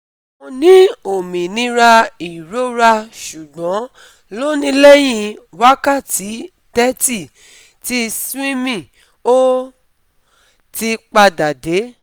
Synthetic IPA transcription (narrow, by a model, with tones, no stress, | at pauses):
mõ˧nĩ˨˦o˨mĩ˨nĩ˧ɾa˧i˨ɾo˦ɾa˧ʃu˨ɡ͡bɔ̃˨˦ | lo˦nĩ˧˦le˦j̃ĩ˧wa˦ka˦˨ti˨˦ | tɛ˦ti˦˨ | ti˦sĩ˦mĩ˦˨ | o˦ | ti˧k͡pa˧da˨de˨˦